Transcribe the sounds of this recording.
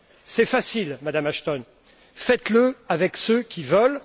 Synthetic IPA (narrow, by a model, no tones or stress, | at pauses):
sɛfasilmad̪amaʃt̪ɔn | fɛt̪ləavɛksøkʲivəl